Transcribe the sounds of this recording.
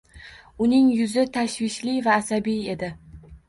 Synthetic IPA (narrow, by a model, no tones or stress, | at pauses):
ʊnɪŋjʊzɪt̪ʰaʃvɪʃlivaːsabije̞d̪ɪ